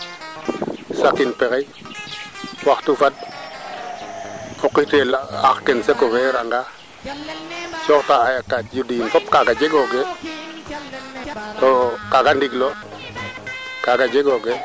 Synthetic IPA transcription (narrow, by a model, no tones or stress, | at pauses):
sakinpeɣe | waxtufad̚ | okːitela̰xkensekoɡeɾaŋɡa | t͡ʃoktaajakːatjudinfop̚kaɡad͡ʒeɡoɡe | tokaɡandiɡlo | kaɡad͡ʒeɡoɡe